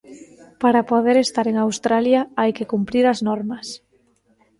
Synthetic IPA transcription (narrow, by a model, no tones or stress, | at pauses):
paɾapoðeɾest̪aɾeŋawst̪ɾaljaajkekumpɾiɾɐznɔɾmɐs